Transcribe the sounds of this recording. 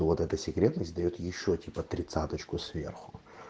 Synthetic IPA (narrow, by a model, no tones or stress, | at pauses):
vot̪ɛt̪əsʲɪkɾʲet̪nəsʲt̚ʲd̪ɐjot̪jɪɕːotʲipət̪ɾʲɪt̪sat̪ət͡ɕkʊsvʲe̞̰rxʊ̥